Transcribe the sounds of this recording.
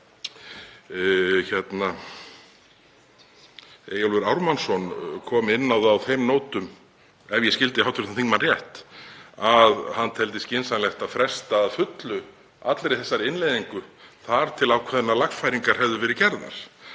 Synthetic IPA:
çɛt̪na | eːjalvʏɾawɾmansɔnkʰɔːmɪnːawðawθejmnoːwt̪ʏm | ɛvjɛscɪlt̪ɪhawt̪ɾʏ̥t̪anθiŋkmanrjɛht̪aðhanːt̪ʰɛlt̪̬ɪscɪnsanlɛxt̪aðfɾɛst̪aːðfʏt̪lʏ | a̰t̪lɾeθɛsːaɾɪnlejðiŋkʏθaɾ̥t̪ʰɪlawkʰvɛðnːalaxfajɾiŋkaɾ̥hɛvðʏvɛːɾɪcɛɾðna̰ɾ̥

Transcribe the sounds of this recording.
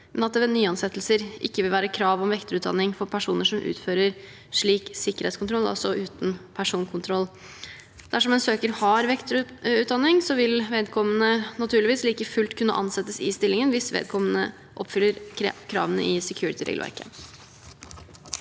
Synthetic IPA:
mɛnɑt̪̚d̪ɛʋɛnyːɑnsɛt̪ːl̩səɾʔɪkːəʋɪlʋæːɾəkʰɾɑːʋɔmʋɛkt̪əɾʉːt̪̚d̪ɑ̰nːɪŋfɔɾpʰæʂuːnəʂɔmʔʉ̰ːt̪føːɾəɾ | ʂɭiːksɪkːəɾhɛːt̪skʰʊnt̪ʰɾɔlːɑ̰lsɔʔʉːt̪n̩pʰæʂuːnkʰʊnt̪ʰɾɔlː | d̪̥æʂɔmɛnsøːkəɾhɑɾʋɛkt̪ɾʉːt̪̚d̪ɑnːɪŋsɔʋɪlʋeːd̪kʰɔmːənənɑt̪ʰʉːɭɪʋiːsliːkəfʉlt̪kʰʉnːə̰ʔɑ̰nsɛt̪ːəsɪst̪ɪlːɪŋənʋɪsʋḛːd̪̚kʰɔmənə | ʔɔpːfʏlːəɾkʰɾɑ̰ːʋənə̰ʔɪsɛkʰjʉːɾɪt̪ʰəɾḛɡəlʋæ̰ɾkə̰

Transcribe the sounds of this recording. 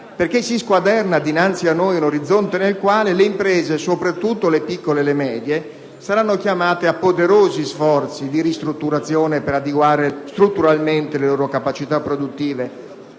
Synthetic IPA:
perkɪsːiskwad̪ɛrnad̪inant̪sianːojunoɾid̪zːont̪enelkwaːleleimpɾɛːzesopɾat̪ːut̪ːolepikːolelemɛːd̪je | saɾanːokjamaːt̪eapːod̪eɾoːzisfɔrt̪sid̪iɾist̪ɾut̪ːuɾat̪sːjoːnepeɾad̪eɡwaːɾest̪ɾut̪ːuɾalment̪eleloːɾokapat͡ʃit̪apːɾod̪ut̪ːiːve

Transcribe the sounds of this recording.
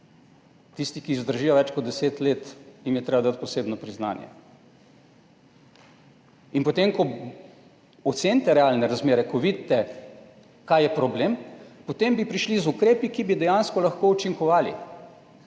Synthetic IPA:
t̪ist̪ikizd̪əɾʒiːjɔʋɛt͡ʃkɔt̪d̪ɛseːt̪leːt̪jimjɛt̪ɾeːbad̪at̪̚pɔseːbnɔpɾizna̰ːnjɛ̰ | inpot̪emkɔ | ɔt̪seːnʲt̪ɛɾɛaːlnɛɾazmeːɾɛkɔʋid̪t̪ːɛ | kajɛpɾɔbleːmpot̪embipɾiʃlizukɾeːpikibid̪ɛjanskɔlɐxkout͡ʃiŋkɔʋaːlḭ

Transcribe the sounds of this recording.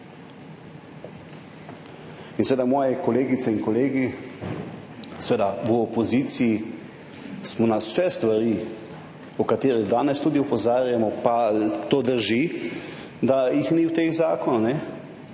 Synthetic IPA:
insʋeːd̪amɔːjɛkɔleːɡit̪sɛinkɔleːɡi | sʋeːd̪aʋəɔpɔziːt̪siji | smɔnasɛst̪ʋaɾi | ɔkat̪eːɾɛd̪aːnɛst̪ud̪iɔpɔzaːɾjamɔpat̪oːd̪əɾʒi | d̪ajixniwt̪eɣzaːkɔnanɛ

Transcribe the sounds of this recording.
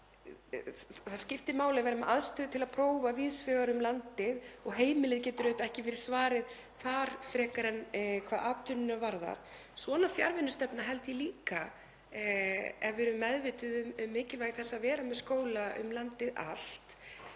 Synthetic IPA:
θḁscɪft̪ɪmaːwlɪavajɾmɛʔaðst̪œːðʏt̪ʰɪlaðpʰɾoːwvavɪːðsfœːɣaɾʏmlant̪ɪðɔɣɦeːjmɪlɪðcɛːt̪ʏɾœɥt̪aɛhcɪvɪɾɪ̥svaːɾɪð | θaɾ̥fɾɛːkaɾɛnkʰvaːðaːt̪ʰʏnɪnavaɾða̰ɾ̥ | svɔnafja̰ɾvɪnːʏst̪ɛpnaɦɛlt̪jɛliːka | ɛvɪɾʏmːɛðvɪt̪ʏðʏmʏmːɪːcɪlvaːjɣɪθɛsːaðvɛːɾamɛðskoːwlaʏ̰mlant̪ɪða̰l̥t̪

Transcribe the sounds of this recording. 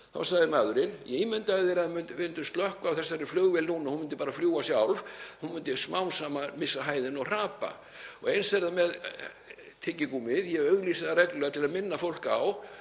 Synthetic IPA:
θa̰wsaɣðɪmaːðʏɾɪnjɛiːmʏnt̪aθeɾaðmʏnt̪vɪnt̪ʏst̪lœhkvawθɛsːaɛɾɪflœːɣvɛlnuːnahunmʏnt̪ɪpaːɾafljuːasjawlvhunmʏnt̪ɪsmawnsaːmamɪsːaɦaːjðɪnɔɣr̥aːpa̰ | ɔ̰ɣejnsvɛɾðamɛð | t̪ʰɪcɪkuːmɪðjɛœɣlisaðaɾɛkllœɣat̪ʰɪlaðmɪnːafowl̥kaw

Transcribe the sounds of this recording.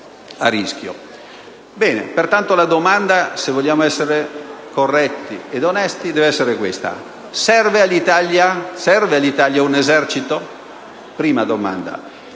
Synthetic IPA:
a̰rːiskjo̰ | bɛːnḛpert̪ant̪olad̪omand̪asevːoʎːjaːmoɛsːeɾekorːɛt̪ːied̪onɛst̪id̪ɛːveɛsːeɾekwest̪a̰ | sɛrvealːit̪aljasɛrvealːit̪aljaunezɛrt͡ʃit̪o | pɾiːmad̪oma̰nd̪a̰

